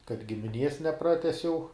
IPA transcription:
kɐt ɡʲɪmʲɪˈnʲiɛs nʲɛˈprɑːtʲɛsʲɛʊ

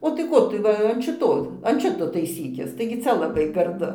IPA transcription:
oː tɐɪ ˈkoː tʊ ˈʋɐ ɐn ʃʲɪˈtoː ɐn ˈʃʲɪtoː tɐɪˈsʲiːkʲɪs tɐɪɡʲɪ ˈt͡sʲɛ lˠɐˈbɐɪ ɡɐrˈdʊ

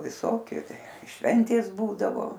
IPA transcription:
ʋʲɪˈsoːkʲʊ ˈʃʲʋʲɛnʲtʲeːs ˈbuːdɐʋoː

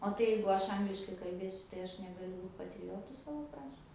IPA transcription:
oː ˈtɐɪ jɛɪɡʊ ˈɐʃ ˈɐŋɡlʲɪʃkɐɪ kɐlʲˈbʲeːsʲʊ tɐɪ ˈɐʃ nʲɛɡɐˈlʲʊ ˈbuːt pɐtʲrʲɪˈjoːtʊ ˈsɑːʋoː ˈkrɐʃt

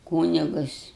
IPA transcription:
ˈkuːnʲɪɡʊs

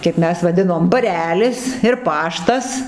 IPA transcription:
kɐɪp ˈmʲɛs ʋɐˈdʲɪnoːm bɐˈrʲæːlʲɪs ɪr ˈpɑːʃtɐs

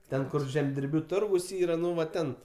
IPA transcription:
ˈtʲɛn ˈkʊr ʒʲɛmʲdʲɪrʲˈbʲuː ˈtʊrɡʊs ˈiːrɐ ˈnʊ ʋɐ ˈtʲɛn

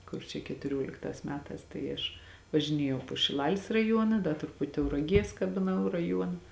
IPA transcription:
ˈkʊr t͡ʃʲɛ kʲɛtʊˈrʲoːlʲɪktɑːs ˈmʲæːtɑːs tɐɪ ˈɐʃ ʋɐʒʲɪˈnʲeːjɛʊ poː ʃʲɪˈlˠɑːlʲɪs rɐˈjuɔnɐ ˈdɐ trʊˈpʊtʲ tɐʊrɐˈɡʲiɛs kɐbʲɪˈnɐʊ rɐˈjuɔnɐ

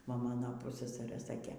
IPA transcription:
ˈʋɐ ˈmɑːnoː ˈpʊssɐsɐrɘ ˈsɑːkʲeː

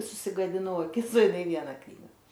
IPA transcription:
sʊsʲɪɡɐdʲɪˈnɐʊ ɐˈkʲɪs oː ɪˈnɐɪ ˈʋʲiɛnɐ ˈknʲiːɡɐ

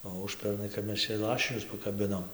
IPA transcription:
oː ˈʊʃʲpʲɛrnɐɪ kɐp ˈmʲɛs t͡ʃʲɛ ˈlˠɑːʃʲɪnʲʊs pɐkɐˈbʲɪnoːm

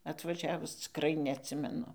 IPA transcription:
ɐtʋɐˈʒʲæːʋʊs t͡sʲɪkˈrɐɪ nʲɛɐtʲˈsʲɪmʲɛnʊ

